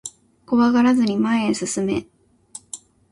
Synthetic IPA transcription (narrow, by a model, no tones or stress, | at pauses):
ko̞βaɡaɾazɨɲ̟imaẽɰ̃sɨsɨme̞̰